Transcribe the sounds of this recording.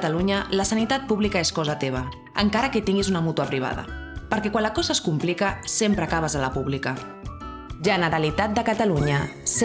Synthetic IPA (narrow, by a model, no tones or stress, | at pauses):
t̪aluɲələsənit̪at̪̚puβlikaeskɔzat̪eβ̞a | əŋkaɾəket̪iŋɡizunəmut̪uapɾiβ̞a̰ðə̰pəɾkɛkwanlakɔzəskumplikəsempɾəakaβ̞əzəlapuβlikə | ʒənəɾalit̪at̪̚d̪əkət̪aluɲəs